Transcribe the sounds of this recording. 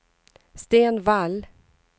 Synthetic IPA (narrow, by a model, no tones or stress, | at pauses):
st̪eːnval